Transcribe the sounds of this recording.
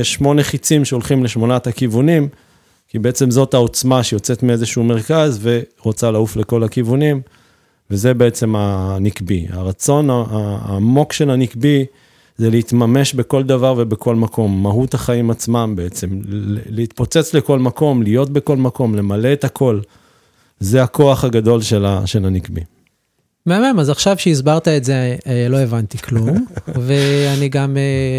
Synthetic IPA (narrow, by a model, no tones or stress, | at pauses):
eʃmo̞neχit͡simʃeo̞lχimle̞ʃmo̞nat̪akivunim | kibe̞et͡se̞mzo̞t̪ao̞t͡smaʃejo̞t͡se̞t̪miezeʃuume̞ʁkazve̞ʁot͡salaufle̞ko̞lakivunim | veze̞be̞et͡se̞manikbia̰ʁat͡so̞naamo̞kʃe̞lanikbi | zeleit̪mame̞ʃbeko̞ld̪avaʁve̞bekʰo̞lmakʰo̞mːaɦut̪haχaimat͡smambeet͡se̞mleit̪̚po̞t͡set͡sle̞ko̞lmako̞mlijo̞t̪̚be̞ko̞lmako̞mle̞male̞ːt̪akʰo̞l | zeako̞aχaɡad̪o̞lʃelaʃe̞lanikbi | meamemazaχʃavʃeizbaʁt̪aetzelo̞e̞vant̪ikʰlumveaniɡame